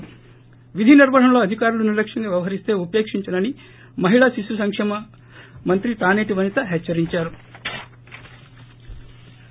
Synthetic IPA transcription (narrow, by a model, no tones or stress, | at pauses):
ʋid̪ʱiniɾbɐɽɐmlo̞ːɐd̪ʱikaːɾulunilɐkʂɐŋɡaːʋjɐʋɐɦɐɾist̪e̞ːupe̞ːkʂiɲt͡ʃɐnɐni | mɐɦiɭɐsisusɐŋkʂɛːmɐ | mɐnt̪ɾit̪aːneːʈiʋɐnit̪ɐɦɛt͡ʃːɐɾiɲt͡ʃaːɾu